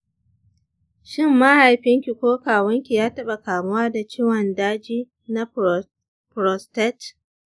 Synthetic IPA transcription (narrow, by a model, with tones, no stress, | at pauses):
ʃɪ˦mːa˦ha˨jɸɪ˦ŋkʲi˨kʷoː˦kaː˨wɐ˦ŋkʲi˨jaː˦tɐ˦ɓa˨kaː˨mʊ˦waː˦da˨t͡ʃiː˦wɐ˨ndaː˦d͡ʒiː˦ | na˦ | pɾɔ˨stɛ˦t